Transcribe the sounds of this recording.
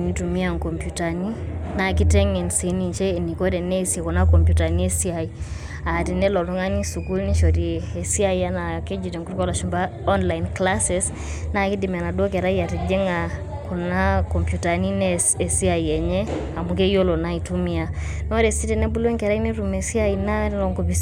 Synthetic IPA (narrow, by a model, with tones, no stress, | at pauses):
ni˨tu˨mi˦a˨ŋko˨mpju˨ta˨ni˦na˨ki˦tɛ˦ŋɛ˨nsi˨˦ni˨nt͡ʃɛ˦e˨ni˨ko˦ɾɛ˨nɛ˦se˨ko˨na˦kɔ˨mpju˨ta˨ni˦ɛ˦si˦a˨i | a˨ti˨nɛ˦lɔ˨lɔ˦ŋa˦ni˦su˨ku˦lni˦ʃo˨ɾie˨si˦a˦ia˦na˨ke˦d͡ʒi˨tɛ˨ŋku˦i˦kɔ˦la˨ʃu˨mba˦ | ɔ˦nla˨inkla˦sɛ˨s | na˦ki˦di˨m˨a˨na˨do˦kɛ˨ɾa˦i˦a˨ti˨d͡ʒe˦ŋa˨ | ko˨na˦kɔ˨mpju˨ta˨ni˦nɛ | e˨si˦a˨i˨ɛ˨ɲɛ˦a˨mu˨k̬e˦jo˦lo˨na˦i˨tu˦mi˦a˨no˦ɾe˨si˦tɛ˨nɛ˦bu˦lɛ˦ŋkɛ˨ɾa˦i˦ne˦ɾu˨me˨si˦a˦ina˦lɔ˨ŋko˨pi˨s